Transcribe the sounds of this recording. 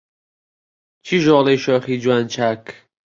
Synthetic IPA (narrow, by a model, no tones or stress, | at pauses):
t͡ʃʰiʒɔleʃɔχid͡ʒuant͡ʃʰak